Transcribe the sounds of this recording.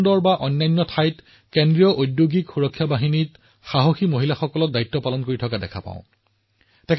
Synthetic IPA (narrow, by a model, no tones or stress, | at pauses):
ndɔɹbaʔɔnːajnːɔtʰajt | kendɹijɔʔojdjoɡikxuɹɔkʰːjabaɦinit | xaɦoximoɦilaxɔkɔlɔk̚daitːɔpalɔnkoɹitʰɔkadɛ̰kʰapa̰ʊ̃ | tɛkʰ